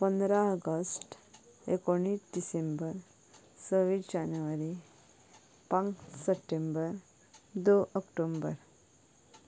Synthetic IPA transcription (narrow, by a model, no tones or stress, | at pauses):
pənd̪ɾaəɡəsʈ | ḛkoɽ̃isdisembəɾ | səʋid͡ʑanuʋaɾi | pãŋksəpʈembəɾ | d̪oʔəkʈombəɾ